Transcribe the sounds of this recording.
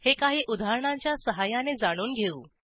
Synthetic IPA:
hekaɦiːʔud̪ʱaɾɳaɲt͡ɕjasəɦajaned͡zaɽ̃uːnɡʱeuː

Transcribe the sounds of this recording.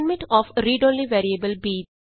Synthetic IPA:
nmɪ̃ʈɔːfɾiːɖõːnliʋeːɾiebəlbiː

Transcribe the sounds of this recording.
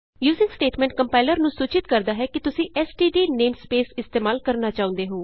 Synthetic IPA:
juːzɪ̃ŋɡsʈeːʈmɛ̃ɳʈ̚kəmpaːɪləɾnũːsuːt͡ʃɪt̪̚kəɾd̪aːɦɛːkɪt̪ʊsĩːʔɛːsʈiːɖiːneːmspeːsɪst̪eːmaːlkəɾnaːt͡ʃaːʊ̃nd̪eːɦoː

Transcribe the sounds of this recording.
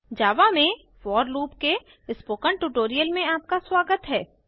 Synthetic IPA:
d͡ʒaːʋamẽ | fɔːɾluːpke | ɪspoːkəɳʈuʈoːɾijəlmẽaːp̚kaswaːɡət̪ɦɛː

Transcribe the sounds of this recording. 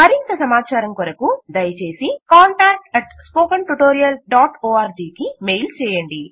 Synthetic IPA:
mɐɾint̪ɐsɐmaːt͡ʃaːɾɐŋkɔɾɐkud̪ɐjɐt͡ʃe̞ːsikaːɳʈaːk̚ʈɐʈspoːkɐɳʈuʈoːɾijɐlɖaːʈoːaːɾd͡ʒiːkimeːjlt͡ʃɛːjɐɳɖi

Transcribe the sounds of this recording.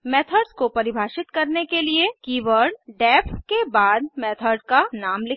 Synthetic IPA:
mɛːt̪ʰəɾɖskopɐɾɪbʱaːʃɪt̪kɐɾnekeliekiːʋəɾɖɖɛːpʰkebaːd̪̚mɛːt̪ʰəɾɖkanaːmlɪ

